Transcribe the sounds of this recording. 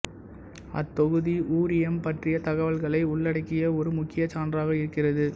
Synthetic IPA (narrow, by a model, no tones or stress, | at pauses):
ɐt̪ːɔɣɯðiʔuːɾɪjɛmpɐʈrɪjɐt̪ɐɣɐʋɐɭɣɐɭɐɪʊɭːɐɽɐɪkːɪjɐɔɾɯmʊkːɪjɐt͡ʃaːnraːɣɐɪɾɯkːɪrɐðɯ